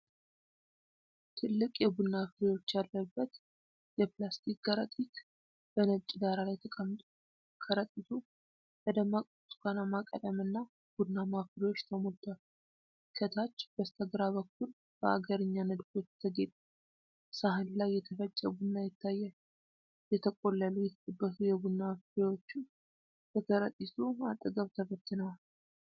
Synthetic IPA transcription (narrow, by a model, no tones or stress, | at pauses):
t̪ʰɨlːɨkʼjɛbudnːafɨɾiwo̞t͡ʃːjalːəbːət̪ | jɛplast̪ʰik̚ɡəɾət̪ʼik | b̥ənət͡ʃʼɪd̪aɾalajt̪ʰəkʼəmt̪ʼu | kʰəɾət̪ʼit̪ʰu | b̥əd̪əmakʼosɡanamakʼə̰t̪ʼəmɨnːa | b̥ud̪namafɾiwo̞t͡ʃːt̪ʰəmolt̪ʰal | kʰət̪ʰat͡ʃːb̥əst̪ʰəɡɾaβəkːul | b̥əa̰ɡəɾɨɲːanəd̪ɡo̞t͡ʃːt̪ʰəɡet̪ʼ | saɦɨnlajːɛt̪ʰəfət͡ʃʼːəbudnːajɛt̪ʰːajːɛ | jɛt̪ʰəkʼo̞lːəlujɛt̪ʰt̪ʼəbːəsujɛbud̪nːafɾiwo̞t͡ʃːu | bək̪ʰəɾət̪ʼːit̪ʰuat̪ʼːəɡəβt̪ʰəfət̪ʰːɨnal